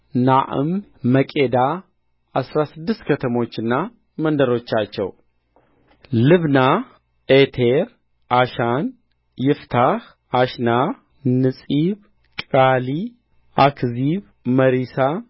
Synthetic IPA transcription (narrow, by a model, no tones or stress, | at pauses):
naʔɨ̰mːəkʼed̪a | ʔasɾasɨd̪ːɨst̪kʰət̪ʰəmo̞t͡ʃːɨnːa | mənd̪əɾo̞t͡ʃːat͡ʃːɛ̰w | lɨβna | et̪ʰeɾ | ʔaʃan | jɪft̪ʰah | aʃna | nɨsʼiβ | kʼali | akʰziβ | məɾisa